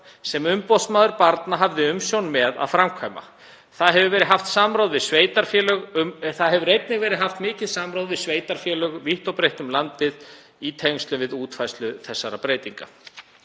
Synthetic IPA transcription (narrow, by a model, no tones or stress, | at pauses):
sɛmʏmpɔsmaːðʏɾpaɾt̪naɦavðɪʏmsjownmɛða̰ðfɾamkʰvajma̰ | θaðɦɛvʏvɛːɾɪðɦaft̪samɾaːwðvɪsveːjt̪aɾ̥fjɛːlœɣʏθaðɦɛvʏɾrejt̪̚nɪɣvɛːɾɪðɦaft̪mɪːcɪðsamɾawðvɪðsveːjt̪aɾ̥fjɛːlœɣviht̪owpɾejht̪ʏmlant̪ɪð | it̪ʰeŋst̪lʏvɪðuːt̪fajslʏθɛsːaɾapɾeːjt̪iŋka̰